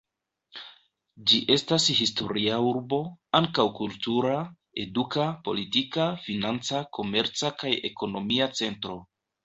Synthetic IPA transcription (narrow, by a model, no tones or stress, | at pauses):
d͡ʒiʔe̞stashisto̞̰ɾiauɾbo̞aŋkawkultuɾa | e̞dukapo̞̰litikafinant͡sakʰo̞me̞ɾt͡sakaje̞̰ko̞no̞miat͡se̞ntɾo̞